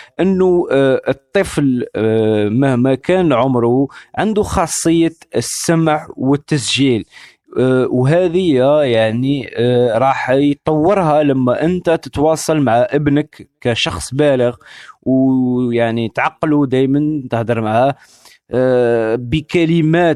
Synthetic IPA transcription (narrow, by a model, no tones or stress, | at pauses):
ʔənːuət̪ˤːəfl | məhmækænʕʊmɾuʕənd̪uxɑsˤːəjːaəsːæmʕwət̪ːəsʒil | wɦæd̪əjːæjaʕniɾˤɑħjt̪ˤːɑwːəɾˤɦælæmːæʔənt̪æt̪ət̪wɑsˤɑlmaʕaʔəbnəkːæʃɑxsˤbæləɣwjaʕnit̪ʕɑqːlud̪æjmənt̪əhd̪əɾmaʕæ | bəkæləmæt̪